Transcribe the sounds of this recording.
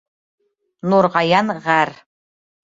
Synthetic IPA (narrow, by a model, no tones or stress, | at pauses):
nuɾʁɑjɑnʁær